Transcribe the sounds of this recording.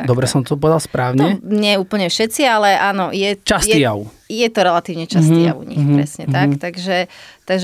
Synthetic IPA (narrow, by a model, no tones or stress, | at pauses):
d̪ɔbɾɛsɔmt̪ɔɔpɔʋɛd̪alspɾaːʊɲɛɲɛuːpl̩ɲɛfʃɛt͡sialɛʔaːnɔjɛt͡ʃast̪ijaʊ | jɛt̪ɔɾɛlat̪iːʊɲɛt͡ʃast̪ia̰ṵɲḭxppɾɛ̰sɲɛt̪akt̪aɡʒɛt̪aɡʒɛ